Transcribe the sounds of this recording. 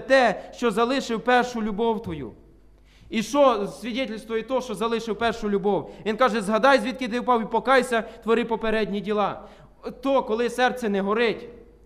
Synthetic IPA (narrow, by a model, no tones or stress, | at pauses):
t̪ɛʃt͡ʃɔzɐlˠɪʃɪwpɛrʃʊlʲʊbɔwt̪ʋɔjṵ | iʃt͡ʃɔsʲʋʲidʲɛtʲilʲst̪ʋɔjit̪ɔʃt͡ʃɔzɐlˠɪʃɪwpɛrʃʊlʲʊbɔwʋʲinkɑʒɛzɦɐd̪ɑjzʋʲit̪̚kɪt̪ɪpɑwipɔkɑjsʲɐt̪ʋɔɾɪpɔpeɾɛdʲnʲidʲilˠɑ | t̪ɔkɔlˠɪsɛrt̪sɛnɛɦɔɾɪtʲ